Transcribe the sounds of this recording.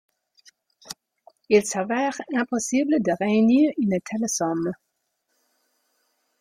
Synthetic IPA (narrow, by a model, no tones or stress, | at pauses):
ilsavɛːʁɛ̃pɔsibləd̪əʁeyniːʁynət̪ʰɛlesɔm